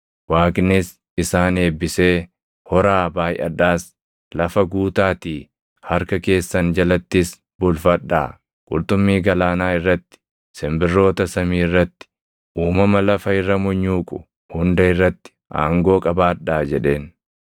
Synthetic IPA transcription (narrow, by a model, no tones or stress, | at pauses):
waːkɪnɪs | ɪsaːne̞ːbːɪse̞ː | hɔɾaːbaːjʔɐ̰ᶑaːs | lɐfɐɡuːt̪aːt̪iː | hɐɾkɐke̞ːsːɐnd͡ʒɐlɐt̪ːɪs | bʊlfɐᶑːa̰ː | kʼʊ̰lt̪ʼʊmːiːɡɐlaːnaːɪrːɐt̪ːɪ̥ | sɛmbɪrːo̞ːt̪ɐsɐmiːɪrːɐt̪ːɪ̥ | ʔuːmɐmɐlɐfɐɪrːɐmɔɲːuːkʼʊ | hʊnd̪ɐɪrːɐt̪ːɪ̥ʔa̰ːŋɡo̞ːkʼɐbaːᶑaːd͡ʒɛᶑe̞ːn